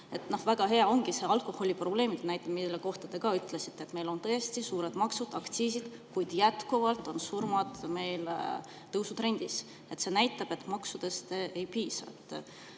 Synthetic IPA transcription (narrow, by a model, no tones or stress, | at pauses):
e̞t̪nohvæɡ̥ɑɦe̞ɑo̞ŋɡ̥ise̞ɑlkˑo̞ho̞lʲipro̞ble̞ːmid̪enæjt̪ːˑe̥milːe̞ko̞ht̪ɑd̪̥e̞ɡ̥ɑyt̪ːˑlesit̪ːeet̪me̞jlo̞nt̪ɤest̪isuːɾed̪̥mɑksud̪̥ɑkt̪siːsid̪̥ | kujd̪̥jæt̪kuvɑlt̪ːˑo̞nsurmɑd̪̥me̞jl | t̪ɤwsut̪ɾe̞nʲd̪̥is | e̞t̪se̞næjt̪ːˑɑb̥e̞t̪ːˑmɑksud̪̥e̞st̪e̞jpiːsɑ̰ḛt̪ːˑ